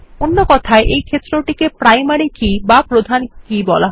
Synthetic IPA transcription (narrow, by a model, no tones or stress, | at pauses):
onːokɔt̪ʰaeʔejkʰet̪ːɾoʈikepɾajmaɾikibapɾod̪ʱankibɔla